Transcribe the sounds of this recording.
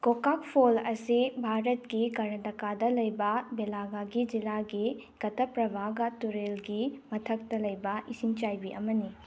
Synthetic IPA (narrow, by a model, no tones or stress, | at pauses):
kokak̚pʰolɐsibʱaɾɐtkikɐɾnɐdɐkadɐlɐjbɐbelaɡaɡid͡ʒilaɡi | kɐtɐpɾɐbʱaɡatuɾelɡimɐtʰɐk̚tɐlɐjbɐʔisiŋt͡ʃajbiʔɐmɐni